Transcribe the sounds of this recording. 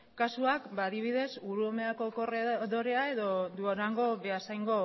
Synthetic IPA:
kasuakbaːðiβ̞iðe̞suɾuome̞ako̞koreðo̞ɾe̞ae̞ðo̞d̪uoɾaŋɡo̞βe̞asajŋɡo̞

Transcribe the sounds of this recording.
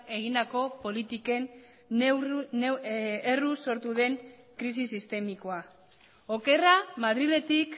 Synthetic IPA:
e̞ɣ̞ind̪ako̞po̞lit̪ike̞n | neruso̞ɾt̪uðe̞ŋ | kɾisisist̪e̞miko̞a | o̞ke̞ramað̞ɾile̞t̪ik

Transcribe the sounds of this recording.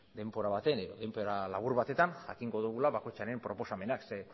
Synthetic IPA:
d̪e̞mpo̞ɾaβat̪e̞ne̞ðo̞ðempoɾalaβ̞uɾβat̪e̞t̪anʝa̰kiŋɡo̞ðuɣulaβako̞jt͡ʃaɾe̞mpɾo̞po̞same̞nakse

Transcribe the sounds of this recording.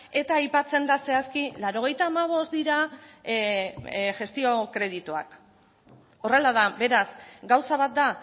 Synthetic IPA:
e̞t̪aajpat͡se̞nd̪ase̞askilaɾo̞ɣ̞e̞jt̪aːmaβ̞o̞sd̪iɾa | ʝe̞st̪io̞kɾe̞ðit̪ua̰k | o̞re̞laðabe̞ɾasɡawsaβ̞at̪̚d̪a

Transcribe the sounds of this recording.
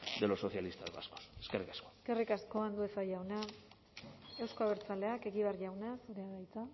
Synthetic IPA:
d̪eloso̞θjalist̪azβa̰sko̥seskerikḁsko̥eske̞rikasko̞and̪ue̞faʝawna | e̞wsko̞aβ̞eɾt͡sale̞ake̞ɣiβerʝawnasuɾeaðajt͡s̪a

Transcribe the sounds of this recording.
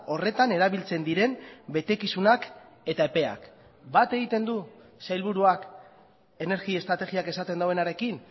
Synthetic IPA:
o̞re̞t̪ane̞ɾaβilt͡se̞nd̪iɾe̞mbe̞t̪e̞kisunak | e̞t̪ae̞pe̞a̰k | bat̪e̞ɣ̞it̪e̞nd̪u | sajlβ̞uɾuak | e̞ne̞ɾɣie̞st̪ɾat̪e̞ɣiake̞sat̪e̞nd̪awe̞naɾe̞kin

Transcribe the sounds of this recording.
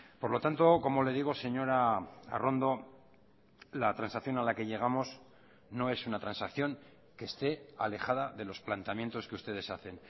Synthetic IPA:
po̞ɾlo̞t̪ant̪o̞ko̞mo̞le̞ðiɣ̞o̞se̞ɲo̞ɾaa̰ro̞nd̪o̞ | lat̪ɾansakθjo̞nalake̞ʎe̞ɣ̞amo̞s | no̞e̞sunat̪ɾansakθjo̞ŋ | ke̞ːst̪e̞a̰le̞xaðaðe̞lo̞splant̪amje̞nt̪o̞ske̞ust̪e̞ð̞e̞saθe̞n

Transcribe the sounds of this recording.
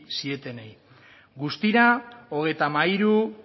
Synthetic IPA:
sie̞t̪e̞nej | ɡust̪iɾao̞ɣ̞e̞jt̪amaiɾu

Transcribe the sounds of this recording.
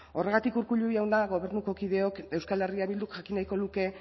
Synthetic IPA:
o̞re̞ɣat̪ikuɾkuʎuiawnd̪aɣo̞β̞e̞ɾnuko̞kiðe̞o̞ke̞wskale̞riaβild̪ukʝakinajko̞luke̞

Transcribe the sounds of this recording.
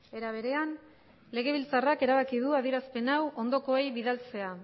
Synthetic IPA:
e̞ɾaβ̞e̞ɾe̞an | le̞ɣ̞e̞β̞ilt͡sarake̞ɾaβ̞akiðuaðieɾaspe̞nawʔo̞nd̪o̞ko̞ejβiðalt͡se̞a

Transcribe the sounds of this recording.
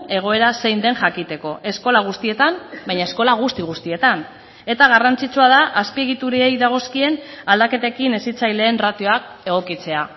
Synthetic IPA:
e̞ɣ̞o̞e̞ɾase̞jnd̪e̞nʝakit̪e̞ko̞ʔe̞sko̞laɣ̞ust̪ie̞t̪ambajɲaesko̞laɣ̞ust̪iɣust̪ie̞t̪an | e̞t̪aɣ̞arant͡sit͡suað̞aʔaspie̞ɣ̞it̪uɾie̞jðaɣ̞o̞skie̞nald̪ake̞t̪ekine̞sit͡sajle̞ːnrat̪io̞ak̚e̞ɣ̞o̞kit͡se̞a

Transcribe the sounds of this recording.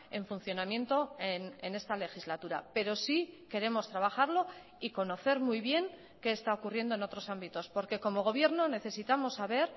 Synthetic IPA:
e̞ɱfun̟θjo̞namje̞nt̪o̞enene̞st̪ale̞xizlat̪uɾape̞ɾo̞sike̞ɾe̞mo̞st̪ɾaβaxaɾlo̞ | iko̞no̞θe̞ɾmujβje̞ŋ | ke̞ːst̪ao̞kurje̞nd̪oe̞no̞t̪ɾo̞sambit̪o̞spo̞ɾke̞ko̞mo̞ɣ̞o̞β̞je̞ɾno̞ne̞θe̞sit̪amo̞sːaβe̞ɾ

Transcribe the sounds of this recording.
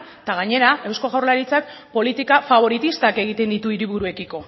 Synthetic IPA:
t̪aɣaɲe̞ɾae̞wsko̞ɣawrlaɾit͡sak̚po̞lit̪ikafaβ̞o̞ɾit̪ist̪ake̞ɣ̞it̪e̞nd̪it̪uiɾiβuɾue̞kiko̞

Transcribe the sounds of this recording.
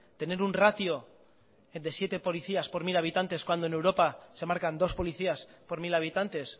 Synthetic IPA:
t̪e̞ne̞ɾunrat̪io̞ | d̪e̞sje̞t̪e̞po̞liθiaspo̞ɾmilaβ̞it̪ant̪e̞skwand̪one̞wɾo̞pase̞maɾkand̪o̞spo̞liθiaspo̞ɾmilaβ̞it̪ant̪e̞s

